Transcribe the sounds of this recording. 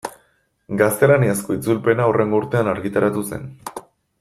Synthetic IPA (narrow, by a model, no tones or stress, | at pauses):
ɡast̪e̞laniasko̞it͡sulpe̞naorʔe̞ŋɡouɾt̪e̞anaɾɣit̪aɾat̪use̞̰n